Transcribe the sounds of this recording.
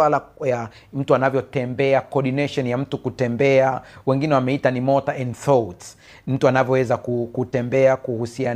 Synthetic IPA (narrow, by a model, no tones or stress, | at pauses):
walaja | m̩tuanavjɔtɛmbɛakɔɗinɛʃɔnjam̩tukutɛmbɛawɛŋɡinɛwamɛitanimɔtaɛndθɔts | m̩tuanavjɔwɛzakukutɛmbɛakuhusian